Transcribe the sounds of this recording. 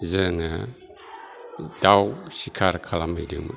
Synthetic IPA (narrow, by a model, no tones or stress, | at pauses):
zɯŋa | dawsikʰaɾkʰalamidɯ̰m